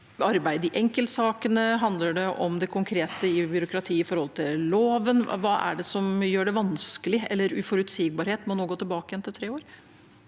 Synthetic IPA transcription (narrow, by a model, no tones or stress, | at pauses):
ɑɾbæɪd̪ɪʔɛŋkəlt̪sɑːkənəɦɑnd̪ləɖɛʔɔmd̪ɛkʰʊŋkʰɾeːt̪əɪbʏɾʊkɾɑt̪ʰiːɪfɔɾhɔlt̪ʰɪlloːʋənʋɑːʔæ̰ɖɛsɔmjøːɖɛʋɑnskəlɪɛ̰lːəɾʉfɔɾʉt̪siːɡ̚bɑɾheːt̪mɔnoːɡoːt̪ʰlbɑːkəjɛnt̪ɪlt̪ʰɾeːoːɾ